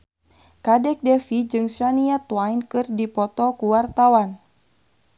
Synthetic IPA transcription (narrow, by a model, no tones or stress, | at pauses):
kadɛk̚dɛfid͡ʒɨŋsaniat̪wajnkɨrdipɔt̪ɔkuwart̪awan